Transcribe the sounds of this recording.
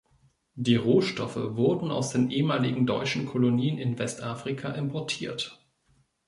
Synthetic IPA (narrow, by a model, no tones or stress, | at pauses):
diːʁoːʃtɔfə̰vʊɐdn̩a̰ʊsd̥eːnʔeːəmaːlɪɡŋ̩dɔ̰ʏt͡ʃn̩kʰoloniːənɪnvɛstʔaːfʁ̥ɪkʰaʔɪmpʰɔɐtʰiːɐt